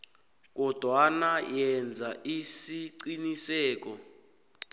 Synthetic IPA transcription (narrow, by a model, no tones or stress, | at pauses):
k̬ɔd̥ʱwanajɛnd͡zʱaisiǀinisɛːk̬ɔ